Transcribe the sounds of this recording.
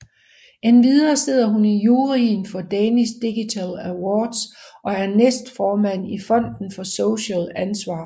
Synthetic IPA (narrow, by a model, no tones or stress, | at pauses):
enʋiðˠɐːse̝ð̞̰ˠɐɦunijuːʁinfɒ̽d̥ɛnisd̥iɡ̥it͡sʰælæwɒːd̥sʔɒ̽æɐnesd̥fɒːmæn̰ifɒ̽n̰d̥n̩fɒ̽soʊɕɛlænsʋɑ̈ː